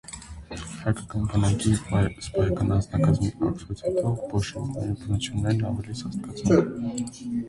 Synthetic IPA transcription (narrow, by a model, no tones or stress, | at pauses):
hɑjkɑkɑnbənɑkisbɑɾɛkɑnɑt͡snɑkɑzmiɑ̰ksɛt͡sʰɛt̪ɔbɔʃikʰɑjinbənut͡sʰjunːɛɾnɑvɛlisɑst̪kɑt͡svɛ